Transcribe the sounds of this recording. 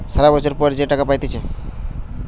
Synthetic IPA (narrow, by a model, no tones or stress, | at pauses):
saɾabɔt͡ʃʰoɾpɔɾd͡ʒeʈəkapajt̪it͡ʃʰe